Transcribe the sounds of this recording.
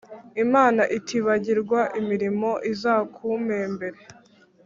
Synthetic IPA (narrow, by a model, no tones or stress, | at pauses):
imaːnaʔitʰiβaɟiɾɡwaʔimiɾimo̞ʔizaːkʰumembe̞ɾe̞